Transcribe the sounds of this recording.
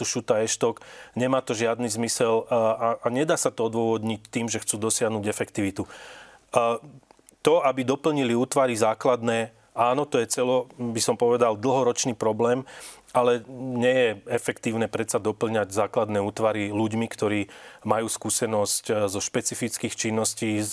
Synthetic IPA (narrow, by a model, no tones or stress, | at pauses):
t̪uʃut̪aɛʃt̪ɔkɲɛmaːt̪ɔʒɪad̪nizmisɛlaaɲɛd̪aːsat̪ɔɔd̪ʋɔʋɔd̪ɲic̚t̪iːmʒɛxt͡suːd̪ɔsɪaɦnuːɟɛfɛkt̪iʋit̪u | t̪ɔabid̪ɔpl̩ɲiliuːt̪ʋaɾizaːklad̪nɛː | aːnɔt̪ɔjɛt͡sɛlɔbisɔmpɔʋɛd̪ald̪l̩ɦɔɾɔt͡ʃniːpɾɔblɛːm | alɛɲɛjɛɛfɛkt̪iːʊnɛːpɾɛt̪sad̪ɔpl̩ɲaɟzaːklad̪nɛːuːt̪ʋaɾiluɟmikt̪ɔɾiːmajuːskuːsɛnɔsczɔʃpɛt͡sifit͡skiːxt͡ʃinːɔsciː